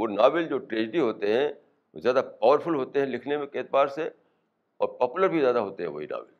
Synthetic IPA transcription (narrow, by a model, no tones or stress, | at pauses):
oːnaːbɪld͡ʒoːʈɾeːd͡ʒɖiɦoːt̪eɦɛ̃ | o̰zjaːd̪apaːʋəɾfʊlɦoːt̪eɦɛ̃lɪkʰnemẽkeːt̪̚baːɾse | ɔ̰ːɾpɔːpuləɾbʱizjaːd̪aɦoːt̪eɦɛ̃ʋo̰ɦina̰ːbɪ̰l